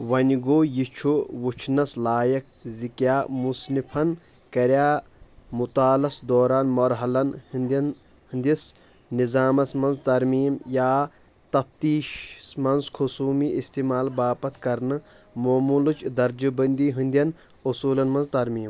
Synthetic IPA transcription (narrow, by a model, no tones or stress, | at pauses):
ʋɐnʲɡoːjit͡ʃʰuʋut͡ʃʰnɐslaːjɐk̚ | zikjaːmusnipʰɐn | kɐɾjaː | mut̪aːlɐsd̪oːɾaːnmɐɾɦɐlɐnhnd̪ɐn | hɨnd̪ʲis | nizaːmɐsmɐnzt̪ɐɾmiːmjaː | t̪ɐf̚t̪iːʃsmɐnzkʰosuːmiist̪iːmaːlbaːpɐt̪ʰkɐɾnɨ | moːmulut͡ʃd̪ɐɾd͡ʒɨbɐnd̪iːɦund̪ʲjɐn | usuːlɐnmɐnzt̪ɐɾmiːm